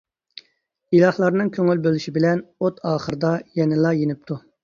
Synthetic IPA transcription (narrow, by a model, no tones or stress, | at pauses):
ilˠɑhlˠɑɾnɨŋkʲʰøŋylbølyʃibɪlɛnot̪ʰɑːχəɾɨd̪ɑjɛnɪlˠɑjenɪp̚t̪ʰu